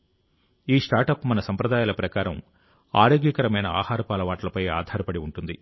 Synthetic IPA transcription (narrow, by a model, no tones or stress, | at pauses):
iːʂʈaːɾʈɐpmɐnɐsɐmpɾɐd̪aːjaːlɐpɾɐkaːɾɐm | a̰ːɾoːɡjɐkɐɾɐmɐjnɐa̰ːhaːɾɐpaːlɐʋaːʈɐlɐpɐja̰ːd̪ʱaːɾɐpɐɽiuɳʈund̪i